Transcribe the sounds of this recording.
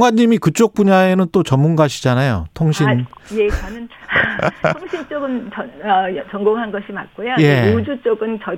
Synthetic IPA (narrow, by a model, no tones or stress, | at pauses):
ŋɦwaɲːimikɯt͡ɕ͈ok̚p͈uɲae̞nɯnt͈ot͡ɕʌmːunɡaɕʰid͡ʑanajo̰tʰoŋɕʰijet͡ɕʌnɯnʰ | oŋɕʰint͡ɕ͈oɡɯnt͡ɕʌʌjʌt͡ɕʌŋɡoŋɦanɡʌɕʰimak͈ojojeod͡ʑut͡ɕ͈oɡɯnt͡ɕʌ